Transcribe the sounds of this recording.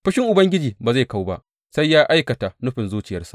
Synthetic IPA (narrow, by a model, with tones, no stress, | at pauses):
ɸɪ˦ʃɪ˦ŋʔʊ˨bɐ˦ŋɡʲɪ˦d͡ʒiː˨baː˨za˦˨ka˦wba˦ʔ | sa˦jːaː˦ʔa˦jkɐ˨ta˨nʊ˦ɸɪ˨nzuː˦t͡ʃɪ˨jɐ˦rsḁ˨ʔ